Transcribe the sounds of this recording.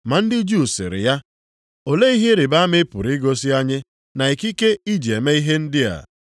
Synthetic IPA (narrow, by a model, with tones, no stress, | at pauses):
ma˨n̩˦dɪ˦d͡ʒu˦˨sɪ̰˨ɾɪ̰˨ja˦ | o˨le˦i˦ɦe˦ɾɪ˨ba˦mɪ˦pʊ̰˨ɾi˦ɡo˦si˦a˦ɲɪ˦ | na˨i˨ki˦ke˦i˦d͡ʒe˨me˦i˦ɦe˦n̩˦dɪ˦a̰˨